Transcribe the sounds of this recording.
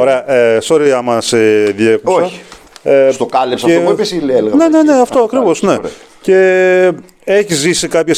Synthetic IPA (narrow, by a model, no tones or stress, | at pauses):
oɾe̞ɐʔesoɾiɐmɐseðiekusoɐi̥est̪okɐlipsɐfetobisilelɣɐnenene̞ɐft̪o̞ɐkɾivo̞sne̞ce̞ | eçizʝisikɐpçɐs